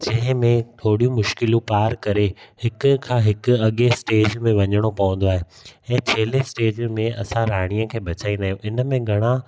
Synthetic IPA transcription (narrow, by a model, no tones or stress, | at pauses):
d͡ʑɐ̃ɦɪ̃mẽt̪ʰoːɽijũmʊʃkɪlũpaːɾkɐɾehɪkʊ̆kʰãːɦɪkʊ̆ɐɠesʈeːd͡ʑmẽʋɐɲəɽ̃opɐʋə̃n̆d̪oaːɦe | ɛ̃ːt͡ɕʰeːlesʈeːd͡ʑmẽɐsãɾaːɽ̃ijəkʰeːbɐt͡ɕaːĩnd̪aːɦijũʔɪnə̆mẽɡʱɐɽ̃ã